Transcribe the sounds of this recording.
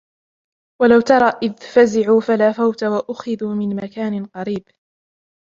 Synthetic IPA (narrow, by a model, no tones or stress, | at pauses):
walawt̪ɑɾˤɑːʔɪðfazɪʕuːfalaːfawt̪awaʔʊxɪðuːmɪnmakaːnɪqɑɾiːb